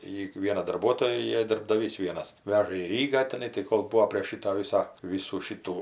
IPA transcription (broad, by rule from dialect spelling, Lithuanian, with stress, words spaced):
ˈjiː ˈʋʲiɛnɐ dɐrˈbuɔtoːjɛ ɪ dɐrbdɐˈʋʲiːs ˈʋʲiɛnɐs ˈʋʲæːʒɐ iː ˈrʲiːɡɑː tʲɛˈnɐɪ tɐɪ ˈkoːlˠ ˈbuːoː pʲrʲeːʃ ˈʃʲiːtɐ ˈʋʲiːsɐ ˈʋʲiːsuː ˈʃʲiːtuː